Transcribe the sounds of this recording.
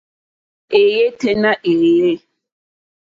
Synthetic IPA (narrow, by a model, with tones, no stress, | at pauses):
e˨je˦te˦na˦ʔe˨je˦